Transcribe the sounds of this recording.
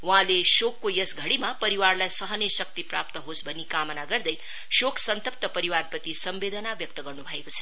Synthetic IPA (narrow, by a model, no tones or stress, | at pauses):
wuɦãleʃokːojʌsɡʱʌɽimapʌɾiwarlajsʌɦʌnʌjsʌk̚t̪iprap̚t̪ʌɦosbʱʌnːikamʌnaɡʌrd̪ʌj | ʃokʰsʌnt̪ʌp̚t̪ʌpʌɾiwarpʌt̪isʌmbed̪ʱənabjʌk̚t̪ʌɡʌrnubʱʌekot͡sʰʌ̥